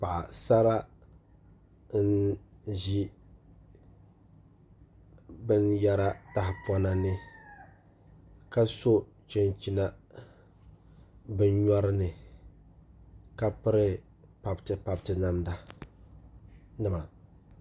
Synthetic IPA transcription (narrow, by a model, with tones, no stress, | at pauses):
pa˨ʔa̰˨sa˦ɾa˦ | nʒi˦ | bɨ˦nja˦ɾa˦ta˨hɪ˨pɔ˦na˦nɨ˦ | ka˦so˦ | t͡ʃɛ˦nt͡ʃi˦na˦ | bɨ˦nɲɔ˦ɾɨ˦nɨ˨ | ka˦pɨ˦ɾɨ˦ | pa˨btɨ˨pa˨btɨ˦na˦mda˨ | nɨ˦˨ma˨